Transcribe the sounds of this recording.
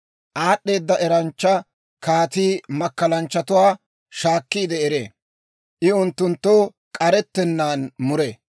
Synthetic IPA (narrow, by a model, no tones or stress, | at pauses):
ʔaːɗːe̞ːd̪ːɐʔɛɾɐnt͡ʃːɐ | kaːt̪iːmɐkːɐlɐnt͡ʃːɐt̪ʊwaː | ʃaːkːiːd̪ɛɛɾḛ | ʔɪʊnt̪ːʊnt̪ːo | kʼɐɾɛt̪ːɛnːaːnmʊɾe